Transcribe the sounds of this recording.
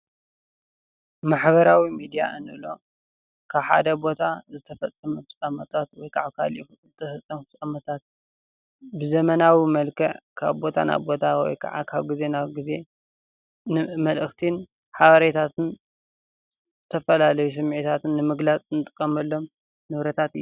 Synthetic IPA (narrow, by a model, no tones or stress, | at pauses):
maħbɐɾawimid̪ija̰ʔɨnɨlo̞ | kʰaβħa̰d̪ɐbo̞t̪ʰazɨt̪ʰɐfɐt͡sʼːɐmɐfɨsʼamɐt̪ʰat̪wɔjkʰaʕaβkʰa̰li | zɨt̪ʰɐfɐt͡sʼːɐmfɨsʼamɐt̪ʰat̪̚ | bɨzɐmɐnawimɐlkʰɐʕkʰa̰βbo̞t̪ʰa̰na̰βbo̞t̪ʰawɔ̰jkʰɐʕa̰kʰaβɡize̞naβɡize̞ | nɨmɐlʔɨxt̪ʰin | ħaβɐɾet̪ʰat̪ʰɨn | zzɨt̪ʰɐfɐlalɐjus̬ɨmːʕit̪ʰat̪ʰɨnːɨmɨɡlat͡sʼɨnɨt̪ʼɨ̥kʼːɐmɐlːo̞m | nɨβɾɐt̪ʰat̪ɨj